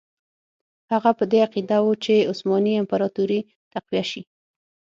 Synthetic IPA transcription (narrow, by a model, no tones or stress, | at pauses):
haɣapəd̪eaqid̪awut͡ʃeʊsmɑniɪmpaɾɑt̪uɾi | t̪aqwijaʃi